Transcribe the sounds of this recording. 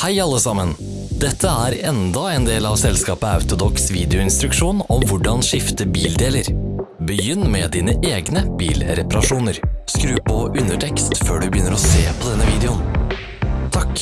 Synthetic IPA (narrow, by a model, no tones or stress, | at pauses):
hæɪɑlːəsɑmən | d̪ɛt̪ʰːəæːɾɛnd̪ɑɛːnd̪eːlɑːʋsɛlskɑːpəɑ̰ʉt̪ʊd̪ɔksʋiːd̪ɛʊɪnst̪ɾʉkʂuːnɔmʋʊɖɑnʂɪft̪əbiːld̪eːləɾbəjʏnːmɛd̪iːnəʔeːɡnəb̥ḭːlɾɛpɑɾɑʂuːnəɾskɾʉːpɔʔʉnːəʈʰɛkst̪føːɖʉbəjʏnːəɾɔseːpʰɔd̪ɛnːəʋiːd̪ɛʊn | t̪ʰɑkː